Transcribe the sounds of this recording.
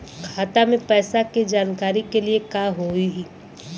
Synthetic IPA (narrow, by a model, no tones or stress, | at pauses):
kʰaːt̪amẽpɛːsaked͡ʒaːnkaːɾikeliekaːɦoiɦiː